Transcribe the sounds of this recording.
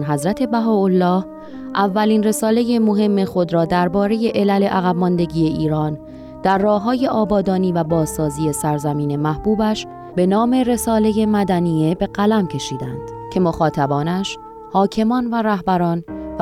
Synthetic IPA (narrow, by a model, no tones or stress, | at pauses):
nɦæzɾæt̪ʰe̞bæɦɒːolːɒːh | ʔævːæliːnre̞sɒːle̞je̞mo̞ɦe̞mːe̞xo̞d̪ɾɒːd̪æɾbɒːɾe̞je̞ʔelæle̞ʔæɣæbmɒnd̪e̞ɟiːje̞ʔiːɾɒːn | d̪̥æɾːɒːhɦːɒːje̞ʔɒːbɒːd̪ɒːniːvæbɒːzːɒːziːe̞sæɾzæmiːne̞mæhb̥uːbæʃ | be̞nɒːme̞re̞sɒːle̞je̞mæd̪ænije̞be̞ɢælæmcʰe̞ʃiːd̪ænd̪̥ | cʰe̞moxɒːt̪ʰæbɒːnæʃ | hɒːcʰe̞mɒːnværæhbæɾɒːn